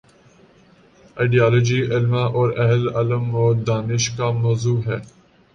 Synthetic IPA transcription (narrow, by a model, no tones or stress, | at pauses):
aːɪɖiaːloːd͡ʒiːɪlmãʔɔːɾɐɦəlɐləmɔːɾd̪aːnɪʃkamɔːzuːɦɛː